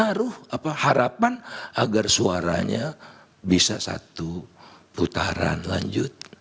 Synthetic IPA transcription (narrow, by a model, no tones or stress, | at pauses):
aɾʊhapahaɾapanaɡarsuaɾa̰ɲa | bisasa̰t̪uput̪aɾa̰nlaɲd͡ʒʊt̪̚